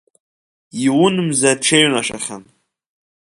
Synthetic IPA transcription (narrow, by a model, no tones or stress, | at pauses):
iwʊnɨmzaʈ͡ʂʰeɥnaʃa̰χʲan